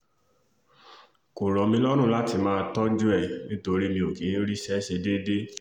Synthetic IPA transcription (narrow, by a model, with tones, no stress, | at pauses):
ko˨ɾɔ˨mĩ˧lɔ˦ɾ̃ũ˦˨la˦ti˧mãː˦˧tɔ˦d͡ʒu˦ɛ˦˨nĩ˦to˧ɾi˦mĩ˧o˨ke˨˦ɾi˦ʃɛ˦ʃe˧de˦de˦